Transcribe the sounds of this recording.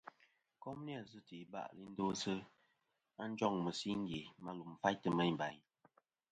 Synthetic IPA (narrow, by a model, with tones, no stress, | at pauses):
kɔ˦mni˦a˦˨zɨ˦ti˨ba̰˦ʔli˦n̩˦do˦sə˦ | a˦n̩˦d͡ʒɔ˦˨ŋmə˨si˦ŋ˦ɡje˨ma˦lu˨m̩˨fa˦jtə˨me˦ɲ˨ba˨ɲ